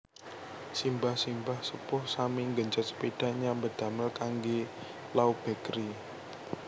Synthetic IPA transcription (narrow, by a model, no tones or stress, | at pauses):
simbahsimbahsəpʊhsamɪŋɡəɲt͡ʃat̪̚sə̥peɖ̥a̤ʔɲambəd̪̥a̤məlkaŋɡe | laub̥ɛ̤kɾi